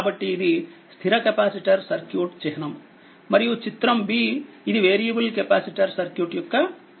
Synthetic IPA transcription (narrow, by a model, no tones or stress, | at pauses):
aːbɐʈːiːd̪ist̪ʰiɾɐkepaːsiʈɐɾsɐɾkjuːʈt͡ʃɛɦɐnɐmː | ɐɾijut͡ʃit̪ɾɐmbiːid̪iʋeːɾijɐbɐlkepaːsiʈɐɾsɐɾkjuːʈjukːɐ